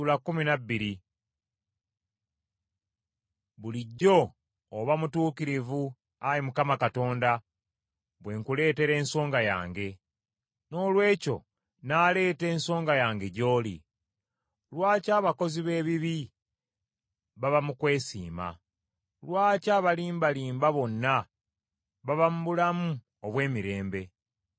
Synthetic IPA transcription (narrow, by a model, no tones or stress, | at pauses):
ulakːuminabːiɾi | βuliɟːo̞ː | βamutuːkiɾivu | aɾimukamakato̞ːnda | βwe̞ːŋkule̞ːte̞ɾe̞ːnso̞ːŋɡaja̰ːŋɡe̞ | no̞ːlwe̞ːco̞̰ | nale̞ːte̞ːnso̞ːŋɡajaːŋɡe̞ɟo̞ːlḭ | lwaːcaːβako̞ziβe̞ːβiβi | βaβamukwe̞ːsḭːma̰ | lwaːcaːβaliːmbaliːmbaβo̞nːa | βaβamubulamu | oβwe̞ːmiɾe̞ːmbe̞